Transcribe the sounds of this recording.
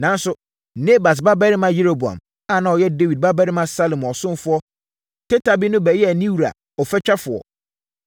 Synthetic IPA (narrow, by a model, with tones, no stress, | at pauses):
nã˨n˦sʊ˦ | ne˦ba˨s̬ba˦bɛ˦ɾɪ˦mã˦je˦ɾo˨bu˨a̰˨m | a˦˨nã˨ɔ˨jɛ˦de˦wi˨d̚ba˦bæ˦ɾɪ˦mã˦sa˦lo˨mɔ˨sʊ̃˦n˦fʊ˦ɔ˦ | tʰɛ˦ta˨bi˦nʊ̃˦bæ˨jɛ˦æ˨nĩ˦wu˨ɾa̰˨ | ɔ˨fɛ˦t͡ɕᶣa˦fʊ˨ɔ̰˨